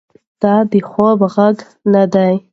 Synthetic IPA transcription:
d̪̥ɑd̪əxobɣaɡ | nad̪aj

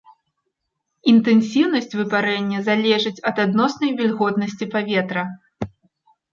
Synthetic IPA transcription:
int̪ɛnsʲiwnɐsʲt͡sʲvɨpaɾɛnʲːɐzalʲɛʐɨt͡sʲɐd̪ad̪nɔsnɐjvʲɛlʲɣɔt̪nɐsʲt͡sʲipavʲɛt̪ɾɐ

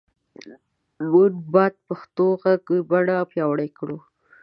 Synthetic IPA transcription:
munbɑd̪̚paxt̪oɣaɡbaɽapjɑwaɽajkɽo

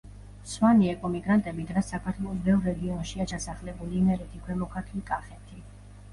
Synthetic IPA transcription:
swaniɛkʼɔmiɡɾant̪ʼɛbid̪ʁɛsːakʰaɾt̪ʰwɛlˠɔsbɛvɾɛɡiɔnʃiat͡ʃʰasaχlɛbulimɛɾit̪ʰikʰwɛmɔkʰaɾt̪ʰlikʼaχɛt̪ʰi

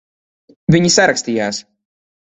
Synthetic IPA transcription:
vʲiɲisaɾaksʲt̪ʲiːjaːs

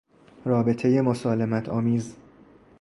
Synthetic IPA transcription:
rɒːbe̞t̪ʰe̞je̞mosɒːle̞mæt̪ʰɒːmiːz

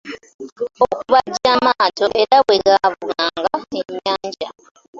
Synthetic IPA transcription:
okuβaɟamaːtoʔeɾaweɡaβuɣaːŋɡaemaːɲɟa

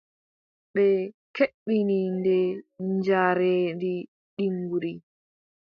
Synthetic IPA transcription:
ɓɛkeɓːinindɛɲd͡ʒaɾendi | ɗiŋɡuɾi

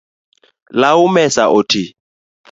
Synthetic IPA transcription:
laʊmɛsaʔʊtʰi

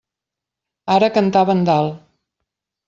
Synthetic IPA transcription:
aɾəkənt̪aβənd̪alˠ

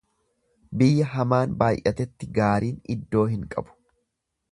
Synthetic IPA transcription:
bɪjːɐɦɐmaːnbaːjʔɐt̪ɛt̪ːɪɡaːɾiːnɪd̪ːo̞ːhɪŋkʼɐ̰bʊ̥

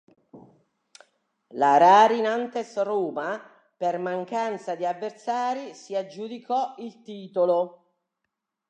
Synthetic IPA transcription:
laɾaːɾinant̪esruːma | permaŋkant̪sad̪iavːersaːɾisiad͡ʒːud̪ikʰɔilt̪iːt̪olo

